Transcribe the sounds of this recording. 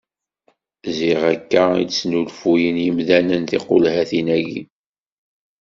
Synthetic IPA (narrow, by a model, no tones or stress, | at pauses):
ziʁækːæit͡sːnulfujənjəmðænənθiqolhæθinæɡḭ